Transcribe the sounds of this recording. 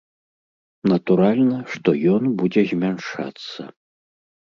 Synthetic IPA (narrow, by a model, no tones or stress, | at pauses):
nɐt̪uɾalʲnɐʂt̪ɔjɔnbud͡zʲɛzʲmʲanʂa̰t̪sːɐ̰